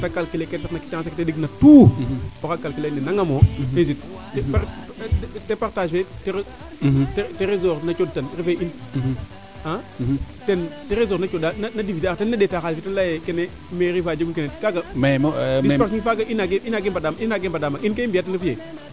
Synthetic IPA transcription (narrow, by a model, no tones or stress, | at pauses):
takalkileketsiknakitaŋasakitediɡnatuokakːalkilenenaŋamoezit | p | tepaɾtaʃfeteɾ | tteɾezoɾnat͡ʃodtanɾifein | atenteɾezonat͡ʃodananadivitːtenːadetaxalfitenlajekenemeɾifad͡ʒeɡunkenekaɡadpas̬ifaɡaʔinaɡeinaɡembadaminaɡembadamainkeimbiatenafije